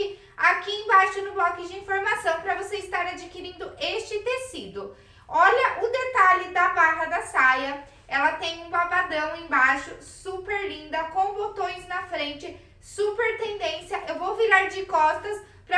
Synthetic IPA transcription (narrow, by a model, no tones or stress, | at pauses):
ɪ | akiẽj̃baʃʊnʊblɔkɪd͡ʒɪĩfoɾmasɐ̃w̃pɾɐvoseɪst̪aɾad͡ʒɪkiɾĩnd̪ʊʔest͡ʃɪt̪esid̪ʊ | ɔʎɐʔʊd̪et̪aʎɪd̪ɐbaɦɐd̪ɐsajɐ | ɛlɐt̪ẽj̃ũbavad̪ɐ̃w̃ẽj̃baʃʊsupeɾlĩnd̪ɐkõw̃bot̪õj̃znɐfɾẽnt͡ʃɪ | supeɾt̪ẽnd̪ẽsjɐʔewvoviɾaɾd͡ʒɪkɔst̪ɐs | pɾɐ